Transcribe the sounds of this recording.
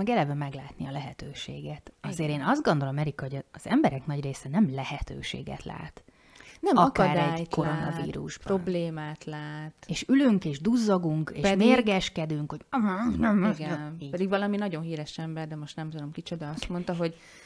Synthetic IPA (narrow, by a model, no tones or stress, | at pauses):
mɛɡɛlɛvɛmɛɡlaːt̪niɒlɛɦɛt̪øːʃḛːɡɛt̪ɒzeːɾeːnɒzd̪̚ɡond̪o̞lomɛɾikɒhoɟɒːz̥ɛmbɛɾɛknɒɟreːsɛnɛmlɛhɛt̪ø̰ːʃḛːɡɛ̰t̪la̰ːt̪ | nɛmɒkːɾd̪ɛɟjko̞ɾonnɒ̰vḭːɾṵʒbɾobleːmaːt̪laːt̪eːʃylyŋkeːʒd̪uzːɒɡuŋkḛːʃmerɡɛʃkɛd̪yŋkho̞ɟnɛmɡɛnpɛd̪iɡvɒlɒminɒɟo̞nɦiːɾɛʃɛmbɛrd̪ɛmo̞ʃt̪nɛmsaɾomkit͡ʃod̪ɒɒst̪mont̪ɒɦoɟ